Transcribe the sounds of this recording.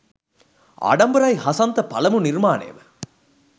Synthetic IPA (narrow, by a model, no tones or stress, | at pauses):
ɐ̰ɽɐmbɐɾaːjhɐsɐnt̪ɐpɐlɐmɯnɪɾmaːnḛːʋ